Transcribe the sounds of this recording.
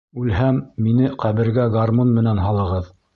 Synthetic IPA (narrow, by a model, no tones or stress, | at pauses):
ʉlhæmːinɘqæβɘ̆ɾɡæɡarmonmɘ̆nænɦɑlˠɤ̆ʁɤð